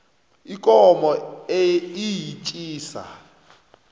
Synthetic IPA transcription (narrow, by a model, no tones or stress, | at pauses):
ikʼɔmɔeijit͡ʃʼiːsa̰